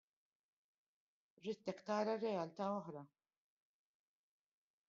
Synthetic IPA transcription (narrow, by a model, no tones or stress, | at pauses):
ɾiːt̪ːɛkt̪ɐːɾɐɾɛjɐlt̪ɐːɔħɾɐ